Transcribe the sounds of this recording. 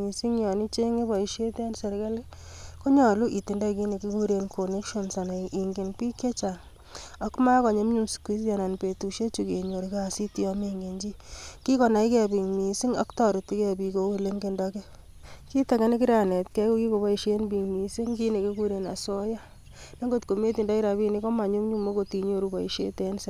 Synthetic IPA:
i˨si˦ŋjɔ˨ni˦t͡ʃe˦ŋe˦bɔ˨i˨ʃe˦tɛ˦nsɛ˨ɾka˦le˦ | ko˦ɲɔ˨lu˦ʔi˨ti˨nda˦ki˦ne˨ki˦ku˦ɾe˧nkʰo˨ne˦kʃo˦nsa˨na˨ʔi˨ŋɡe˨npi˦kːe˦t͡ʃa˨ŋ | ɔ˦kma˦kɔ˨ɲe˦mɲu˨mskwi˦s̬ja˨na˨npe˨tu˨ʃe˦t͡ʃu˨ke˨ɲo˨ɾka˦si˦ti˦ɔ˦me˧ŋɡe˨ɲd͡ʒi˦ki˦kɔ˨na˨i˦kɛ˦bi˨ŋmi˨si˦ŋa̰˦ktɔ˦ɾi˨ti˦kɛ˦pi˧ko˦ke˦le˦ŋɡe˦ndɔkɛ˦ | ki˦ta˨kɛ˦ni˦ki˦ɾa˨ne˨tkɛ˦ko˦ki˦ko˨bɔ˦i˨ʃe˦nbi˨ŋmi˨si˦ŋki˦ne˨ki˦ku˦ɾe˨na̰˨sɔ˦ja˦ | ne˦ŋɡo˦tko˨me˦ti˨nda˦ki˦ɾa˨pi˦ni˦ko˦ma˨ɲo˦mɲu˦mːo˦ko˨ti˨ɲo˨ɾu˦bɔ˨i˨ʃḛ˦te˨˦nse˦

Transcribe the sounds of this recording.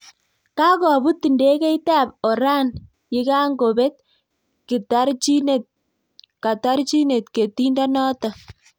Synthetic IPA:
ka˦kɔ˨bu˦tːi˨nde˦kɛ˦ita˦p̚ɔ˨ɾa˦n | jɪ˦ka˦ŋɡo˨be˦t̚ | kɪ˨ta˦ɾt͡ʃine˨t | ka˨ta˦ɾt͡ʃi˦ne˨tke˨ti˦nda˦nɔ˦ta˨

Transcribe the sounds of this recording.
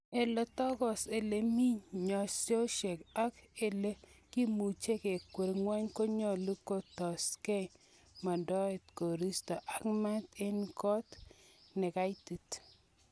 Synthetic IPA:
e˨lɔ˨tɔ˦ɡɔ˨se˨le˨mi˦ɲɲɔ˨sjo˦ʃe˨ka˦ke˨le˦ki˦mu˨t͡ʃe˦ke˨kːwe˨ɾŋwa˦ɲko˦ɲɔ˨lu˦ko˦˨tɔ˨ske˦ | ma˨dɔ˦e˨tko˨ɾi˦stɔ˨ʔa˦kma˦t̪e˦nkɔ˦t̪nɛ˨ka˦i˦ti˨t

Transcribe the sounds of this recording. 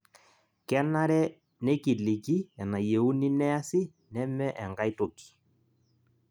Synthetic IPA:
kɛ˦na˦ɾɛ˦ | nɛ˦ki˨lɪ˨ki˦ɛ˨na˨je˨u˦ni˦nɛ˦a˦sɪ˦ | nɛ˦mɛ˦ʔɛ˨ŋɡa˦ɪ˦to˨ki̥˨

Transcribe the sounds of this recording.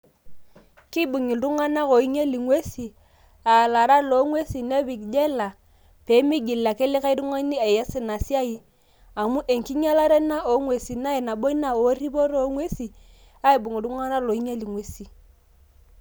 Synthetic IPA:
ki˦ɓu˨ŋi˨du˦ŋa˦na˦ko˨i˦ɲe˦li˨ŋwe˦si˨ | a˨la˨ɾa˦lo˨˦ŋwe˦si˨ne˦βi˨kd͡ʒe˦la˨ | pe˨˦mi˦ɡi˨la˨ke˦li˦ka˦ɾu˦ŋo˦ni˦e˨je˦sɪ˦˨na˨si˦a˦i˦ | a˨mu˦ʔe˨ŋ˨ki˦ɲa˦la˦ɾe˦na˦o˨˦ŋwe˨si˨na˦e˨na˨ɓo˦i˦na˨o˨˦ri˦bo˦ɾo˨˦ŋwe˦si˨ | a˦i˨bu˨ŋi˨du˦ŋa˦na˦lo˨i˦ɲe˦li˨ŋwe˦si˨

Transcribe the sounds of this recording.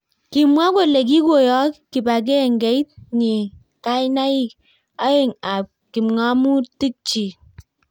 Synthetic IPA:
ki˨mwa˦ko˦˨le˨k̬i˦ɡo˨jɔ˦kkːi˨ba˨k̬e˦˨ŋɡe˨˦i˦t̚ɲi˨ | ka˦i˦na˦i˦˨k̚ | a˦e˨ŋa˨p̚ | ki˨mŋa˦mu˦ti˦k̚t͡ʃi˨

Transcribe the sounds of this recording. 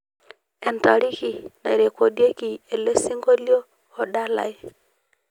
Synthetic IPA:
ɛ˨nta˨ɾi˦ki˨na˨ɾe˨ko˨dje˦ki˨e˨le˦si˦ŋɡo˦ljoː˦˨ | ɗa˦la̰˨e˦

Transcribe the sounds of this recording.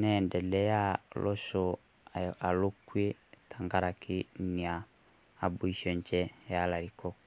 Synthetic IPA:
nɛ˦˨ndɛ˨lɛ˦ja˦lʔɔ˦ʃɔ˨ | a˨lo˦kwe˦tʰa˨ŋɡa˦ɾa˨kʰi˦ni˨aː˨ | bu˦i˦ʃɔ˨ɲt͡ʃɛ˦ja˦la˨ɾi˨kɔ˦

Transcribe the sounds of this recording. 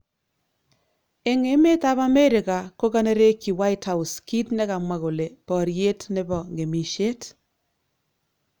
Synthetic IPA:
e˦ŋe˦me˦ta˦pa˦me˦ɾɪ˨ka˨ko˦ka˦ne˦ɾe˦kːi˨wa˦i˦tha˦u˨ski˦tne˦ka˨mwa˦ko˨le˨pɔ˨ɾje˦tne˦bɔ˨ŋɡe˨mi˨ʃe˦t

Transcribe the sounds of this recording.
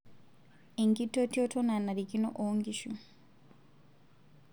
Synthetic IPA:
e˨ŋɡi˦to˦ti˦o˦to˦na˨na˨ɾi˨ki˦no̰˦ʔoŋɡiʃu

